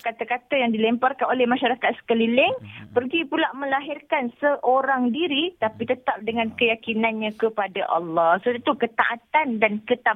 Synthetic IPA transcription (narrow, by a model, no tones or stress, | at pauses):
kat̪akat̪əjaŋdilɛmparkanolɛhmaʃaɾakat̪̚sə̥kəlilɪŋpərɡipulaʔmə̃laɦɪrkansəʔoɾaŋdiɾit̪apit̪ət̪ap̚dəŋãnkəjakinanɲãkəpadaʔɑ̰lːɑsodt̪ukət̪a̰ʔat̪andankət̪a